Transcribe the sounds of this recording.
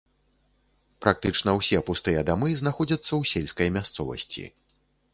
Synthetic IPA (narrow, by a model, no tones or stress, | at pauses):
pɾʔak̚t̪ɨt͡ʂnɐwsʲɛpust̪ɨjɐd̪amɨznaxɔd͡zʲɐt̪sːɐwsʲelʲskɐjmʲast̪sɔvɐ̰sʲt͡sʲḭ